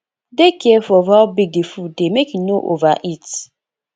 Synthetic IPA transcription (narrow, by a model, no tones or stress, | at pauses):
dekɛɛfɔvabik̚defudemekinoʔo̰vaʔit